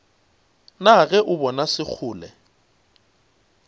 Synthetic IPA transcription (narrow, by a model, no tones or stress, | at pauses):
naɣɛʔʊbɔnasɪk͡xʰʊːlɛ